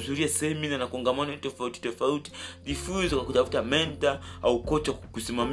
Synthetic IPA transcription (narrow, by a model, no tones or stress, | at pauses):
uzuɾiasɛɛminanakɔŋɡamanɔtɔfauti̥tɔfauti̥vifunzɔkakutafu̥tamɛntaaukɔt͡ʃakusimam